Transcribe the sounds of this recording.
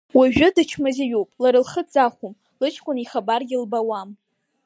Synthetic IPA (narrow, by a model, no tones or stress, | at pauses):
waʒᶣʊdɨt͡ʃʰmazeɥowpʼlaɾɨlχəd͡zaχʷum | lɨt͡ʃʰqʷʼʊniχabarɡʲɪlbawam